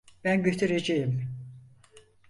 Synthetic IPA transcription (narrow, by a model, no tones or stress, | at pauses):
b̥ænɟøt̪ʰyɾed͡ʒejim